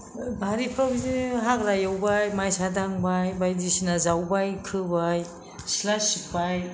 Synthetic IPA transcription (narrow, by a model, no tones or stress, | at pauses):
bʱaɾipʰɾɔbiziɦakɾajawbajmajsadaŋbajbajdisinazawbajkʰɯbaj | silasik̚paj